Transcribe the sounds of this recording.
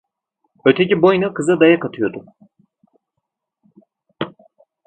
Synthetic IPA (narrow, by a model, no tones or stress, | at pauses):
øɾt̪ʰecibo̞jnakɯzad̪ajakat̪ʰɯjo̞d̪ʊ